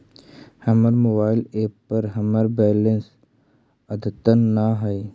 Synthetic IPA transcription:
hɐməɾmoːbaːɪleːpːəɾɦɐməɾbɛːlə̃ns | ɐd̪ʱət̪ənːaɦɐ

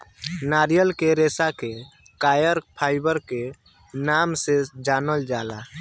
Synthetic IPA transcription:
naːɾijəlkeɾeːsake | kaːjəɾpʰaːɪbəɾke | namsed͡ʒaːnəld͡ʒaːla̰

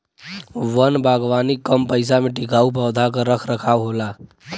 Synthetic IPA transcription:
ʋənbʱaɡʋanikːəmpəɪsameʈikaup̬əwd̪ʱakəɾəkʰɾəkʰawɦola

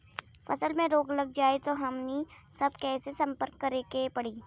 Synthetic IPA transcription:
fʰɐsəlmẽɾoːɡlɐɡ̚d͡ʒaːet̪oɦɐmnisɐbkɛːsesɐ̃mpəɾkːɐɾekepɐɽiː

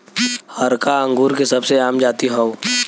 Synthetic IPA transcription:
hɐɾkaə̃ŋɡuːɾkesɐbseaːmd͡ʒaːt̪iɦɛo

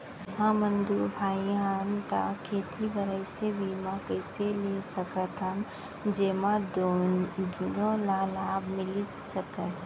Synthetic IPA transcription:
ɦãmə̃nd̪uɾbʱaːiɦant̪a̰kʰeːt̪ʰibəɾəjsebiːmãkəɪselesəkət̪ɦəm | d͡ʒeːmãd̪ | d̪unolalaːbmɪli | səkət̪

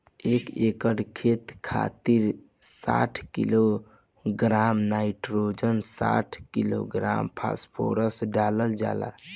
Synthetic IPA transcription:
ekekəɽkʰet̪kʰa̰t̪iɾ | sa̰ʈʰkilo | ɡɾamnaiʈɾod͡ʒənsa̰ʈʰkilo̰ɡɾa̰mpʰa̰spʰo̰ɾəsɖaləld͡ʒa̰la̰

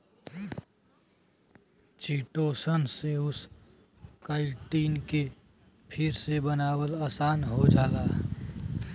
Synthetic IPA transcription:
t͡ʃiːʈoːsənseʊs | kaɪʈiːnke | pʰɪɾsebənaːwəlaːsaːnɦod͡ʒaːlaː

